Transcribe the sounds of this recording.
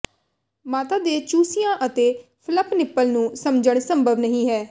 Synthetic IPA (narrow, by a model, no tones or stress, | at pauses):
maːt̪aːd̪eːt͡ʃuːsɪjãːʔət̪eːpʰləpnɪpːəlnũːsəmd͡ʒəɳsəmbʱəʋnəɦĩːɦɛː